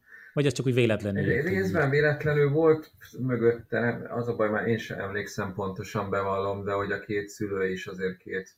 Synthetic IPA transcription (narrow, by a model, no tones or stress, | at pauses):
vɒɟɛst͡ʃɒkuːɟveːlɛt̪lɛnylreːzbɛɱveːlɛt̪lɛnylvo̞lt̪møɡøt̪ːɛɒ̰zɒbɒjmaːɾʔeːnʃɛ̰ʔɛ̰mleːksɛmpo̞n̪t̪o̞ʃɒmbɛvɒlːo̞md̪ɛɦo̞ɟɒkʰeːt̪syløːiʃɒzeːr̚kʰeːt̪